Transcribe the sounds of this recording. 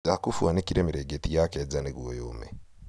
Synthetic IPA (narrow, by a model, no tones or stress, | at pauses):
akufwanikiɾeːmiɾeɡetijakezaneɡwojoːme